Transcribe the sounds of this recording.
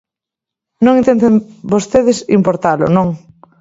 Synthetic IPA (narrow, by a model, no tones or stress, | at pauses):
nõŋint̪ent̪embost̪eðɪsimpoɾt̪alʊ̰nõŋ